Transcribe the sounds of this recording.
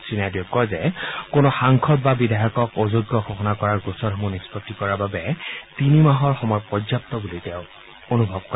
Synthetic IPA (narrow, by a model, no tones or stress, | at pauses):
sinajdɛkːɔzɛkonɔxaŋkʰɔt̚babidaɦɔkɔkozoɡːɔxɔxɔnakɔɹaɹɡusɔɹɔmunispɔtːikɔɹaɹbabɛtinimaɦɔɹxɔmɔjpɔdzap̚tɔbuliteʊ̃ | onubʱɔb̚kɔɹ